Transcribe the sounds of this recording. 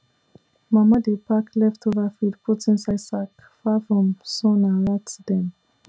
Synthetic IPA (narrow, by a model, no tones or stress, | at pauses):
mamadepʰaklɛftʰovafidpʰutĩnsaɪsak | fafɹɔ̃msɔnaɹatdɛ̃n